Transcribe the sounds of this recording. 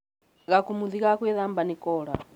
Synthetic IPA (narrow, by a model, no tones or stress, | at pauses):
ɣakumuðikakɛðambanikɔːɺa̰